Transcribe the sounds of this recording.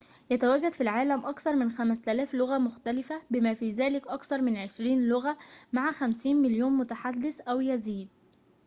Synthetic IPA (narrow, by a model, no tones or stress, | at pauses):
jæt̪æwæɡːæd̪filʕaːlæmʔɑkθɑɾˤmɪnxæmst̪ælæːflʊɣæmʊxt̪ælɪfæbɪmæːfiːzæːlɪkʔɑkθɑɾˤmɪnʕeʃɾiːnlʊɣæmaʕaxæmsiːnmɪljoːnmʊt̪aħad̪ːɪsʔæwjæziːd̪̚